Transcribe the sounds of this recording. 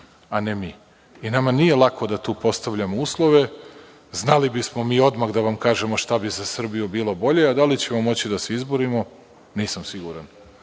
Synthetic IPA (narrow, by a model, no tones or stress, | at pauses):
ane̞miː | inamanije̞lˠakʰo̞d̪at̪uːpo̞st̪aʋʎamouːslˠo̞ʋe̞ | znalibismo̞miːo̞d̪maɣd̪aʋamkaːʒe̞mo̞ʃt̪abizasr̩bijubiːlˠo̞bo̞ʎe̞ad̪alit͡ɕe̞momo̞t͡ɕid̪aseizboɾimo̞ | niːsamsiɡuɾan